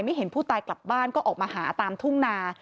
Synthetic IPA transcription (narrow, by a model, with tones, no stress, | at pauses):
jma˥˩jɦe˩˦npʰuː˥˩t̪aː˧jkla˨˩p̚baː˥˩nkɔː˥˩ʔɔː˨˩k̚maː˧ɦaː˩˦t̪aː˧mt̪ʰu˥˩ŋnaː˧